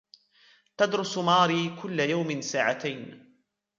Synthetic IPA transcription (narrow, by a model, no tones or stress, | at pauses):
t̪ad̪ɾʊsmaːɾiːkʊlːajawmɪsaːʕat̪ajn